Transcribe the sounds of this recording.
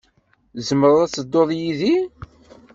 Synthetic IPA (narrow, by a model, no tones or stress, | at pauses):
zəməɾˤæt͡sːəd̪ːoðˤjiði